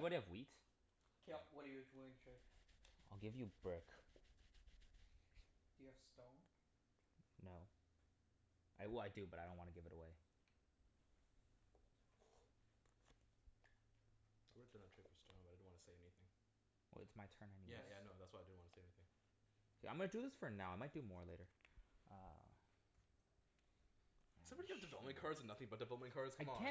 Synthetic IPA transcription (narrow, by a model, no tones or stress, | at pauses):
wʌɾɨvwit | kʰwʌɾəjəduɪ̃ŋtʰɹ̥ʉpaɪlˠɡɪvjɨbɹʊk | d̥ɨjɨv̥stõn | noʊ | ʔaɪwɛlˠaɪdɨbʌɾaɪõʊ̃nʔwɑ̃nɨɡɪvɨɾəweɪ | aɪwdvd̥ʌ̃nðɨtʰɹ̥ɪpəstõʊ̃nbʌɾaɪdɪ̃dn̩ʔwɑ̃nʰəseɪɛniθɪ̃ŋ | wɛ̰lˠɨ̰tsmaɪtʰɜ̃˞naɪnijæjænoʊðætswaɪadɪdn̩wɑntəseɛniθɪ̃ŋ | ãmɡʌ̃nɨdɨðɪsfə˞naʊaɪmaɪt̚d̥ɨmɔɹleɪɾə˞ʔʌ | sʌ̃mbɑɾiɨvdɨvɛlˠəp̚mɨ̃nkʰɑɹz̃n̩ʌθɪ̃ŋbʌt̚d̥ɨvɛlˠəp̚mɨ̃nkʰɑɹz̥kʰaɪmkæ̃